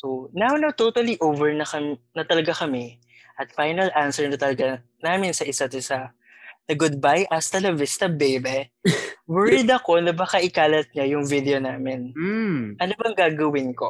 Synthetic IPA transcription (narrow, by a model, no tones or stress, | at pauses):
sonawnawt̪ot̪ɐliʔovɛɹnɐkɐnɐt̪ɐlɐɡakɐmɛ | ʔɐt̪fajnɐlʔansɛɹnɐt̪ɐlɐɡa | naːmɪnsɐʔɪsɐt̪ɪsa | nɐɡʊd̪̚bajʔɐst̪ɐlɐvɪst̪ɐbejbɛ | wɛɹɪd̪ɐko̞nɐbɐkɐʔɪkaːlɐt̪̚ɲajʊŋvɪd̪ɛo̞naːmɪnʔɐnobɐŋɡaːɡɐwɪnko̞